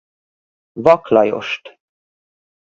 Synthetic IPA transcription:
vɑkʰlɑjo̰ʃt̪

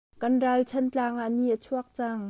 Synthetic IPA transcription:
kɐnralt͡sʰɐnt͡ɬaːŋaʔniʔət͡sʰuɐk̚t͡saŋ

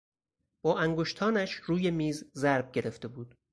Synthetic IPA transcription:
b̥ɒːʔæŋɡoʃt̪ʰɒːnæʃɾuːje̞miːzzæɾb̚ɟe̞ɾe̞ft̪e̞buːd̪̥

